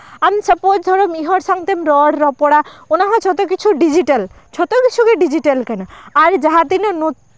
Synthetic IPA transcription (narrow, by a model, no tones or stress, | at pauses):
amsəpod͡ʒd̪ʱɔɾɔmiɦɔɾsaŋt̪emɾɔɽɾɔpɔɽaunaɦɔ̃t͡ʃʰɔt̪ɔkit͡ʃʰuɖid͡ʒiʈɐl | t͡ʃʰɔt̪ɔkit͡ʃʰukeɖid͡ʒiʈelkanaaɾd͡ʒaɦat̪inɔnu